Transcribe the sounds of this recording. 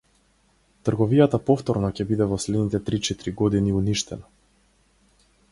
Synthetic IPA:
t̪r̩ɡɔvijat̪apɔft̪ɔɾnɔcɛbid̪ɛvɔslɛd̪nit̪ɛt̪ɾit͡ʃɛt̪iɾiɡɔd̪iniuniʃt̪ɛ̰na

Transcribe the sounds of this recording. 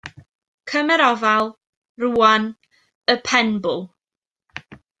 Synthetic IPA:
kʰəmɛɾɔvalˠ | ruːan | əpʰɛnbʊlˠ

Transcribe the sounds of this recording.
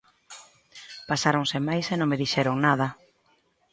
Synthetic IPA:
pasaɾoŋsɪmajsenõŋmeðiʃɛɾoŋnað̞ɐ

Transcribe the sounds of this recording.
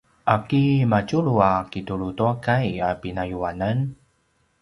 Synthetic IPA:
ʔakimacuɭuakituɭutuakajapinajuanan

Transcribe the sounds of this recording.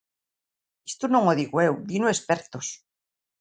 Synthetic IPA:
est̪onõŋoð̞iɣwewd̪inoespeɾt̪os

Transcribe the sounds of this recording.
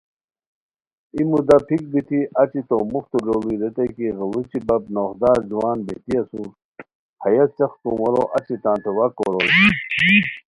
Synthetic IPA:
imud̪ɐpʰik̚b̪it̪ʰiʔɐt͡ɕit̪omuxt̪uloːliɾet̪ekiɣɐlut͡ɕibɐb̚noːxd̪aːɾd͡ʑuwaːnbḛt̪iɐsu | hɐjɐt͡ɕɐxt̪uwɐɾo̰ʔɐt͡ɕit̪ãːnt̪ʰewɐkoːɾol

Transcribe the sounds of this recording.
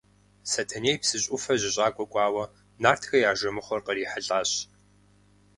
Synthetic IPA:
sɐtʰɐneːjpsɨɕʼʊfɐʑɪɕʼaːkʷʼɔkʷʼɑːwɐ | naːrtʰxɐjaːʒɐmɨχʷɔrqəriːħəɬʼaːɕ

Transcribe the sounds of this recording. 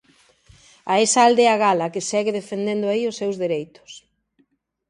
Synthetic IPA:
aesaːld̪eaɣalɐkɪsɛɣɪðefend̪end̪ʊaiʊsːewzðeɾejt̪ʊ̥s

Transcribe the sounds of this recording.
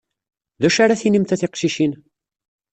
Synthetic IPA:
ðæʃaɾaθinimt̪æθɪqʃiʃin

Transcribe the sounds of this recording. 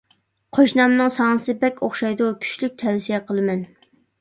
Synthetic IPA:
qʰoʃnɑmnɨŋsɑnɨsɨbɛkʲʰoχʃɑjd̪ukʲʰy̥ʃlyk̚ʲt̪ʰɛnsijɛqʰəlˠɨmɛn

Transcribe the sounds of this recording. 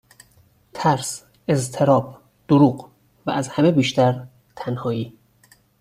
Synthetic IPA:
t̪ʰæɾs | e̞zt̪ʰe̞ɾɒːb | d̪̥oɾuːɢ | væ̰ʔæzhæme̞biːʃt̪ʰæɾ | t̪ʰænhɒːiː

